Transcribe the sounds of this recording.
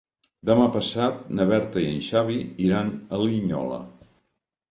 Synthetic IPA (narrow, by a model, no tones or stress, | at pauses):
d̪əmapəsat̪̚nəβɛɾt̪əiə̰nʃaβiiɾanəliɲɔ̰lə̰